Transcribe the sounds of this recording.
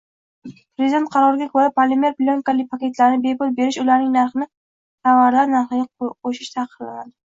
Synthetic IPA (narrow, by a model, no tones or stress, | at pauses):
pɾezɪd̪ent̪qʰɑɾɒɾɪɡʲakʰɵɾapʰalemeɾplʲonkalɪk̚ʲpʰakʲe̞t̪laɾɪnɪbe̞pʊlˠbe̞ɾɪʃʊlaɾnɪŋnaɾχɨnɪ | t̪ʰavaɾlaɾnaɾχɪɡʲaqʰoʃɪʃt̪ʰɑqʰɨɾla̰na̰d̪ɪ